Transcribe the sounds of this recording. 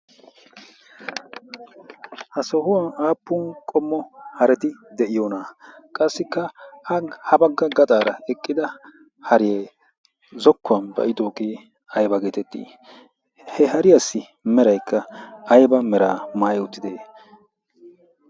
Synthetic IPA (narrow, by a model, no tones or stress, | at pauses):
hɐsɔhʊwɐnaːpːʊnkʼɔmːɔhɐɾɛt̪ɪd̪ɛʔɪjoːnakʼɐsːɪkːɐhɐhɐbɐɡːɐɡɐt̪ʼaːɾɐɛkʼːɪd̪ɐ | hɐɾɪje | zɔkːʊwɐnbɐ̰ʔɪd̪o̞ːɡeː | ɐjbɐɡeːt̪ɛt̪ːḭː | hɛɦɐɾɪjɐsːɪ | mɛɾɐjkʰːɐɐjbɐmɛɾaːmaːjɛʊt̪ːɪd̪eː